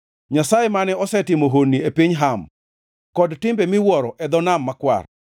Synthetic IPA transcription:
ɲasajemanɛɔsɛtɪmoɦonːiepiɲɦam | kɔdtɪmbɛmɪwɔɾɔʔɛd̪ɔnamːakwa̰r

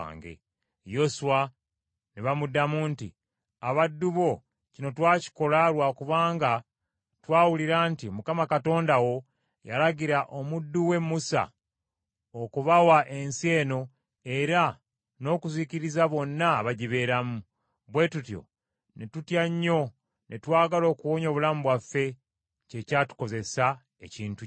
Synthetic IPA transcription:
ŋɡḛ | jo̞suwa | niβamudːamuntḭ | aβadːuβo̞ | cino̞twaːci̥ko̞lalwakuβaːŋɡa | twaːwuliɾaːntiomukamakato̞ːndawo̞ | ja̰laɡiɾaʔo̞mudːuwe̞mːusa̰ | okuβawaʔe̞nsje̞ːno̞ | e̞ɾa | no̞kuziːciɾizaβo̞nːaːβaɟiβe̞ɾamu | βwe̞tutjo̞̰ | netutjaɲːo̞ | nʔetwaːɡalo̞ːkuwoɲo̞ːβulaːmubwafːe̞ | ce̞caːtu̥ko̞ze̞sa | e̞̰ciːntu

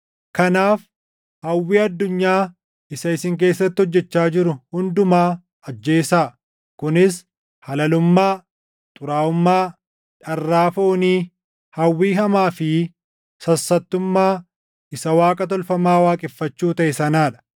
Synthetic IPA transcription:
kɐnaːf | hɐwːiːɐd̪ːʊɲːaː | ɪsɐɪsɪŋk̬e̞ːsːɐt̪ːɪhɔd͡ʒːɛt͡ʃːaːd͡ʒɪɾʊhʊnd̪ʊmaː | ɐd͡ʒːe̞ːsaː | kʊnɪs | hɐlɐlʊmːaː | t̪ʼʊɾaːʊmːaː | ᶑɐrːaːfoːniː | hɐwːiːɦɐmaːfɪ | sɐsːɐt̪ːʊmːaː | ʔɪsɐwaːkʼɐt̪̬ɔlfɐmaːwaːkʼɪfːɐt͡ʃːuːt̪ɐʔɛsɐnaːᶑɐ̥

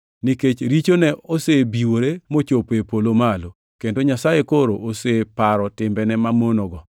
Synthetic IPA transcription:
niket͡ʃɾit͡ʃonɛʔosebiwoɾemot͡ʃopepolomalo | kendoɲasajekoɾoʔosepaɾɔtɪmbɛnɛmamonoɡɔ

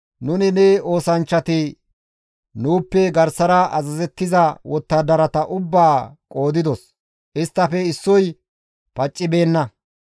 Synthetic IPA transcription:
nʊnɪnɛo̞ːsɐnt͡ʃːɐt̪ɪ | nuːpːɛɡɐɾsɐɾɐʔɐ̰zɐzɛt̪ːɪzɐwɔt̪ːɐd̪ɐɾɐt̪ɐʔʊbːaːkʼo̞ːd̪ɪd̪ɔs | ʔɪst̪ːɐfɛɪsːɔj | pɐt͡ʃʼːɪbe̞ːnːɐ

